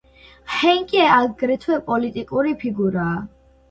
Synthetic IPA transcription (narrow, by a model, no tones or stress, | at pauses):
hɛŋkʼiɛaɡɾɛt̪ʰwɛpʼɔlit̪ʼikʼuɾipʰiɡuɾaː